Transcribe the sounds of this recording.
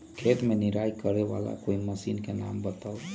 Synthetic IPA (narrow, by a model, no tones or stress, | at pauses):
kʰet̪meniɾajkəɾeβa̰la̰koiməsinkenambət̪əl